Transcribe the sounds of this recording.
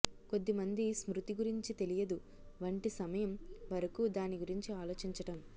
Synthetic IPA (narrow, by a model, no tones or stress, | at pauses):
ko̞d̪ːimɐnd̪ismɾut̪iɡuɾiɲt͡ʃit̪e̞lijɐd̪u | ʋɐɳʈisɐmɐjɐmʋɐɾɐkuːd̪aːniɡuɾiɲt͡ʃiaːlo̞ːt͡ʃiɲt͡ʃɐʈɐm